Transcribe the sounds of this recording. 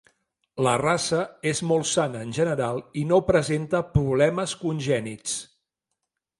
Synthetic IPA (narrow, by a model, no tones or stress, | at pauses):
lərasəezmolˠsanəːnʲʒənəɾalˠinopɾəzent̪əpɾuβlɛməskunʲʒɛnit͡s